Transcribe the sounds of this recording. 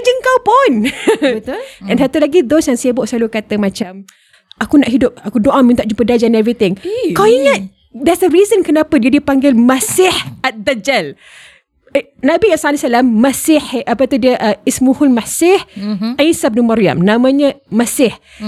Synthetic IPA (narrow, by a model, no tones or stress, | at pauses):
d͡ʒəŋkawpʊn | ɛ̃nsat̪ulaɡidɔsjaŋsebʊʔsəlalukat̪əmat͡ʃam | akunaʔɦidʊp̚akudoʔamĩnt̪aʔ̚d͡ʒumpədad͡ʒanɛvɾit̪ɪŋkawiŋat̪̚ | dɛsəɾizənkənapədiədipaŋɡɪlmasɪhat̪̚dad͡ʒal | nabiasaalasalamːasɪhapət̪uhdiəʔəismuhʊlmasɪhainsab̚numaɾia̰mnamãɲəmasɪh